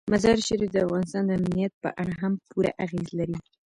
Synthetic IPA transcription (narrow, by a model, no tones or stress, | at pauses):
mazɑɾʃaɾifd̪əafɣɑnɪst̪ɑnd̪əamnijat̪̚pə̰ʔaɽaɦampuɾa̰ʔaɣezlaɾi